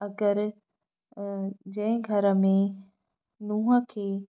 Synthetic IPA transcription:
ɐɡəɾ | d͡ʑɐ̃ɦɪ̃ɡʱɐɾəmẽ | nuːɦə̆kʰeː

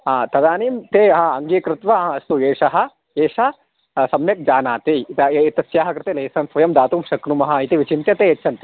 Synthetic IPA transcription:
at̪ɐd̪aːniːmt̪eːɐɦɐɐŋɡiːkɾɪt̪ʋɐɦɐ̃ɐst̪ueːʂɐɦɐ̆ | eːʂɐ | sɐmnɐt̪̚d͡ʒaːnaːt̪et̪ɐit̪ɐsjaːɦɐkɾɪt̪eːleːsɐnsʋɐjɐmd̪aːt̪uːmʃɐknumɐɦɐ̆it̪iʋit͡ʃint̪jɐt̪eːɐt͡ʃʰːɐnt̪

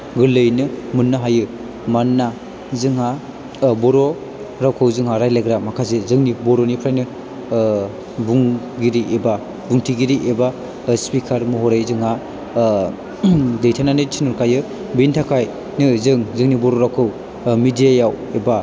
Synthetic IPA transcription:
ɡɯlɯjnɯmɯnːaɦajɯ | manːa | zɯŋɦa | bɔɾɔ | ɾawkʰɯwzɯŋhaɾajlaɡɾamakʰazezɯŋnibɔɾonipʰɾajnɯ | buŋ | ɡiɾiʔeba | buŋtʰiɡiɾiʔeba | spikʰaɾmuɦɔɾejzɯŋɦa | dejtʰananɯsʰinuɾkʰajɯ | bintʰakʰaj | nɯzɯŋzɯŋnibɔɾɔɾawkʰɯw | midijajaw | eba

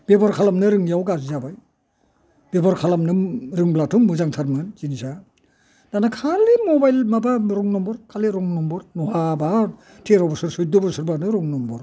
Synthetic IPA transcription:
b̥ebɔɾkʰalamnɯɾɯŋjawɡazzabaj | b̥ebɔɾkʰalamnɯɾɯŋblatʰumuzaŋtʰaɾmɯnzinisa | danakʰalimɔbajlmabamɾɔŋnɔmbɔɾkʰaliɾɔŋnɔmbɔɾnɔhaba | tʰeɾɔbɔsɯɾsɯj̚dɔbɔsɯɾbanɯɾɔŋnɔmbɔɾ

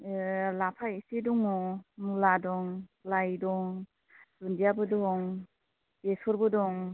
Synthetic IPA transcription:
lapʰaisedɔŋɔmuladɔŋlajdɔŋ | zundijabɯdɔŋ | tesɔɾbɯdɔŋ

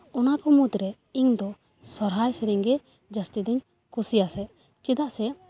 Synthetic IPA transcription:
ɔnakɔmud̪ɾɛ | iŋd̪ɔ | sɔɾɦajsɛɾiŋɡɛ | d͡ʒast̪id̪ɛɲ | kusijasɛ | t͡ʃid̪aʔsɛ

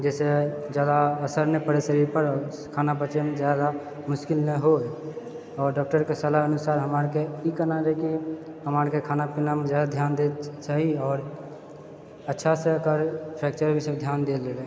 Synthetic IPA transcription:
d͡ʒɛːsed͡ʒjaːd̪aəsəɾnepəɾesəɾiɾpəɾ | kʰaːnap̬ət͡ʃemed͡ʒjad̪a | mʊskɪlnəɦo | ɔːɾɖɔk̚ʈəɾkesəlaənusaːɾɦəmaɾkeikənaɾɛkiɦəmaɾkekʰaːnapinamẽzjaːd̪ad̪ʱjaːnd̪et͡ʃaɦiɔːɾ | ətːʃʰaseəkəɾpʰɛk̚t͡ʃəɾbʱised̪ʱjaːnd̪elele

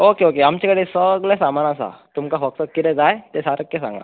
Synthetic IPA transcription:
oːkeokeamt͡ʃikəɽisəɡlesamanasa̰t̪umkafɔksəkːiɾed͡zaet̪esaɾəkːesã̰ŋɡa̰

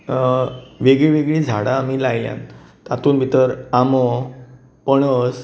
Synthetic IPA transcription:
ʋeɡɭiʋeɡɭiːd͡zʱaɽaːmilajljã̰nt̪at̪uːnbʱit̪əɾamɔ | pəɳəs

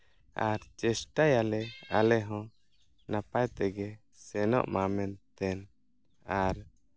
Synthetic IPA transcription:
aɾt͡ʃɛsʈajalɛalɛɦɔ̃ | napajt̪ɛɡɛ | sɛnɔ̰ʔmamɛnt̪ɛn | aɾ

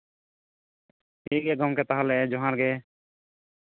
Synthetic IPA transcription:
iɡɛɡɔmkɛt̪aɦalɛd͡ʒɔɦãɾɡɛ

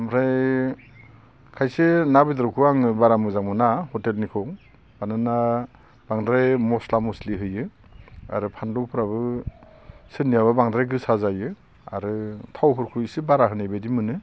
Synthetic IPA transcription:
mɾaj | kʰajsenabidɾokʰɯaŋɯbaɾamɯzaŋmɯnahɔtelnikʰɔŋ | b̥anɯna | b̥aŋdɾajmɔslamɔsliɦɯjɯ | a̰ɾɯpʰandɔwpʰɯɾaβɯ | sɯnijaβabaŋdɾajɡɯsazajɯ | a̰ɾɯtʰawpʰɯɾkʰusɯbaɾaɦɯnajbedimɯnɯ

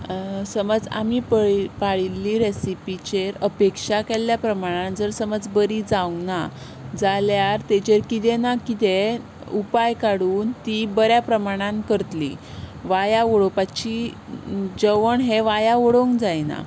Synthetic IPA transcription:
səməd͡za̰mipəpaɭilːiːɾesipit͡ɕeɾəpekʂakelːjapɾəmaɽ̃ãnd͡zəɾsəməd͡zbəɾid͡zauna | d͡zaljaɾt̪et͡ɕeɾkit̪̬ɛnakit̪e | upajkaɽuːnt̪ibəɾjapɾəmaɽ̃ãnkəɾt̪lḭ | ʋajaoɽopat͡ɕi | d͡ʑəʋəɳɦeʋajaʋoɽoŋkd͡zajna̰

